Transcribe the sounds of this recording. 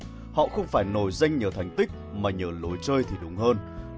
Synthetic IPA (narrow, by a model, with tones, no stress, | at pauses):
hɔ̰˧˨xə˧wŋ͡mfaː˧˩jno˧˩jza˧jŋ̟ɲəː˨˩t̪ʰa˨˩jŋ̟t̪ï˦˥k̚maː˨˩ɲəː˨˩lo˨˦jt͡ɕəː˧jt̪ʰi˨˩ɗʊ˨˦wŋ͡mɦəː˧n